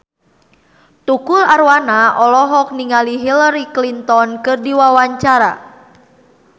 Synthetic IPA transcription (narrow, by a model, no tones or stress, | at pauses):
t̪ukularwanaɔlɔɦɔk̚niŋaliɦilaɾiklint̪ɔnkɨrdiwawaɲt͡ʃaɾa